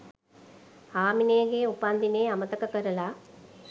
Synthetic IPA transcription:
haːmineːɡeupɐnd̪ineːɐmɐt̪ɐkɐkɐɾɐlaː

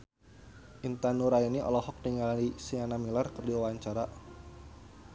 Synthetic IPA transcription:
ʔint̪anuɾainiʔɔ̰lɔhɔk̚tiŋɡalnisianamilarkərdiawaɲt͡ʃaɾa

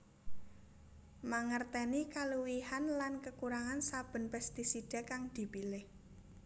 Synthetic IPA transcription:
maŋərt̪ɛnikaluwihanlankəkuɾaŋansab̥ə̤npɛst̪isid̥a̤kaŋd̪̥i̤pilɪh

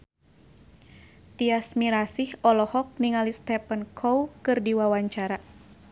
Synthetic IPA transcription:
t̪iasmiɾasihɔlɔhɔk̚niŋalist̪ɛpənkʰɔwkɨrdiwawaɲt͡ʃaɾa

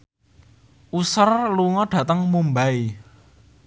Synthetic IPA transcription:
ʔusərluŋɔɖ̥ä̤t̪əŋmumbai

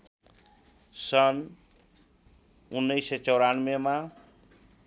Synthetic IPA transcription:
sʌn | unːʌjset͡sʌwɾanmema

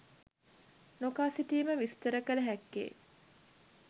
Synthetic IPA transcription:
nokaːsiʈiːməʋist̪əɾəkələɦækːḛː

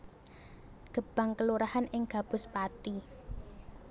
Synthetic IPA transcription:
ɡ̥ə̤b̥a̤ŋkəluɾahanʔɪŋɡ̥a̤b̥ʊ̤spat̪i

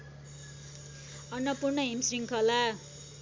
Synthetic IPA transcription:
ʌnwʌpurnʌɦimsriŋkʰʌla

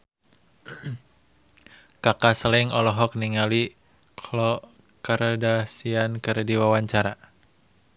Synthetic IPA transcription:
kakasəlɪŋɔlɔɦɔk̚niŋali | kʰlɔ | kəɾdasiankɨrdiwawaɲt͡ʃaɾa

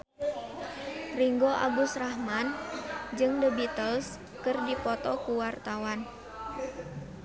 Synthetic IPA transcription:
riŋɡoʔa̰ɡusrahmand͡ʒɨŋdəbit̪əls | kɨrdipɔt̪ɔkuwart̪awan

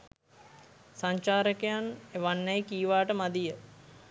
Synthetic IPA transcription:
saɲt͡ʃaːɾəkejaneʋanːəjkiːʋaːʈəmad̪ijə

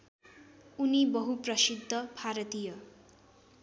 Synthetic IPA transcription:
unibʌɦuprʌsid̪ʱːʌbʱaɾʌt̪ijʌ

